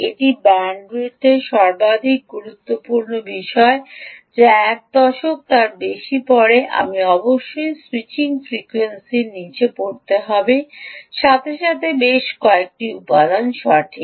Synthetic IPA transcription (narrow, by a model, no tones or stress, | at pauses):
eʈibɛɳɖɾut̪eʃɔɾbad̪ʱik̚ɡuɾut̪ːopuɾnobiʃɔed͡ʑeɛk̚d̪ɔʃok̚t̪aɾbeʃipɔɽeʔa̰miɔboʃːojswit͡ɕiŋfɾikwensiɾnit͡ɕepoɾt̪eɦɔbeʃat̪ʰeʃat̪ʰebeʃkɔek̚ʈiupad̪anʃɔɾʈʰi